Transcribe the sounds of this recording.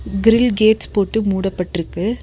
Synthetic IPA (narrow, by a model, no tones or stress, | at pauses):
ɡɪɾɪlɡeːʈspoːʈːɯmuːɽɐpːɐʈːɪɾɯkːɯ